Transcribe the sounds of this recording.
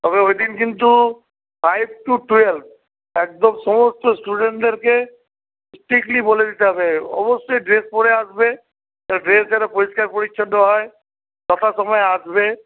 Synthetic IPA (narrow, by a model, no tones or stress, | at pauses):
t̪ɔbeojd̪inkint̪u | pʰajb̚ʈuʈuelp̚ʰ | ek̚d̪ɔmsɔmɔst̪ɔsʈuɖẽɳʈd̪eɾke | sʈikliboled̪it̪eɦɔbeɔ̰bɔsːojɖɾespɔɽeasbe | t̪aɖɾesd͡ʒaɾapɔɾiskaɾpɔɽikʃʰɔnd̪ɔɦɔe | tɔt̪ʰasɔmɔjasbe